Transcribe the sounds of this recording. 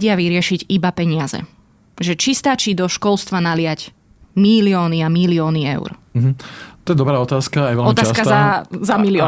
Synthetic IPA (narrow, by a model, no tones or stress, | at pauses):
ɟɪaʋiɾɪɛʃiɟibapɛɲɪazɛ̰ | ʒɛt͡ʃist̪at͡ʃiːd̪ɔʃkɔlst̪ʋanalɪac | milɪɔːniamilɪɔːniɛ̰ʊɾm̩ɦ̩t̪ɔjɛd̪ɔbɾaːɔt̪aːskaːjɛʋɛlɔmt̪aːsakaazamilɪɔ